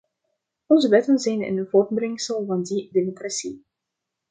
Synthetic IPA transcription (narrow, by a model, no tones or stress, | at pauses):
ɔnzəʋɛtənzɛjnə̰nvort̚brɪŋsəlˠvɑndidemokrasi